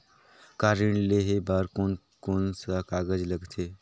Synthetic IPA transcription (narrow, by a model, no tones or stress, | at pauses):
kaɾiɳleɦebaɾkon | konsəkaɡəd͡ʒləɡt̪ʰe